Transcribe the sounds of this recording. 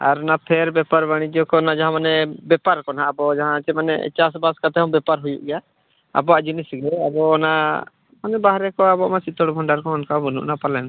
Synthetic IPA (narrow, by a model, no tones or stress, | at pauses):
aɾnapʰɛɾbɛpaɾbaɽ̃id͡ʒɔkɔnad͡ʒaɦãmanɛbɛpaɾkɔnaʔːbɔd͡ʒaɦãt͡ʃɛmanɛ̰t͡ʃasbaskat̪ɛhɔ̃mbɛpaɾɦujṵʔɡɛja | a̰bɔaʔd͡ʒinisɡɛabɔna | manɛbaɦɾɛkɔabɔʔmasit̪ɔɽbʱɔɳɖaɾkɔɔnkabɔnṵʔnapalɛjn